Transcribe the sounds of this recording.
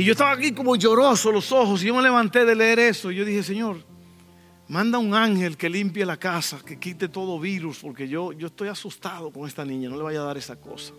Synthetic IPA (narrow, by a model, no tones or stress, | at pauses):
iʝo̞est̪aβakiko̞moʝo̞ɾo̞solo̞so̞hos̬iʝo̞me̞le̞βant̪e̞ðe̞le̞eɾe̞soiʝo̞ðihe̞se̞ɲo̞ɾ | mãnd̪auŋaŋhe̞lke̞limpjelakasake̞kit̪e̞t̪o̞ðo̞βiɾuspo̞ɾke̞ʝo̞ʝo̞est̪o̞jasust̪aðo̞ko̞ŋe̞st̪anĩɲano̞leβajaðaɾe̞sako̞̰sḁ